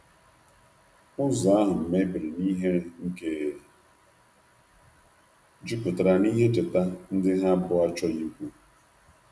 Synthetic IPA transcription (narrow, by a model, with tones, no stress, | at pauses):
ʊ˦zɔ˨a˦ɦʊ˨m̩˨me˦bi˨ɾɪ˨ni˦ɦe˦ŋ̩˦ke˦˨ | d͡ʒu˦pʊ˨ta˨ɾa˨ni˦ɦe˦tɪ˨ta˦n̩˦dɪ˦ɦa˦bʊ˦a˦t͡ʃɔ˦ɲi˦kʷu˦